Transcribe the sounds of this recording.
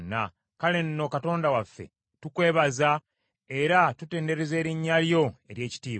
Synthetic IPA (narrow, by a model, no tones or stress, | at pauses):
nːa̰ | kale̞nːo̞kato̞ːndawafːe̞̰ | tukwe̞ːβaza | e̞ɾatute̞ːnde̞ɾe̞ze̞ːɾiɲːaljo̞e̞ɾje̞ːci̥tiːβ